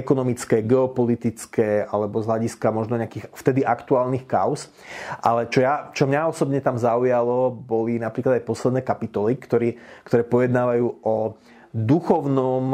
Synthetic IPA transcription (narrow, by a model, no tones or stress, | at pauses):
ɛkɔnɔmit͡skɛːɡɛɔpɔlit̪it͡skɛːalɛbɔzɦlaɟiskamɔʒnɔɲɛakiːxft̪ɛd̪iʔakt̪uaːlnixka̰ʊs | ʔa̰lɛt͡ʃɔjat͡ʃɔmɲaɔsɔbɲɛt̪amzaujalɔbɔlinapɾiːklad̪ajpɔslɛd̪nɛːkapit̪ɔlikt̪ɔɾiːkt̪ɔɾɛːpɔjɛd̪naːʋajuːɔ | d̪uxɔʊnɔm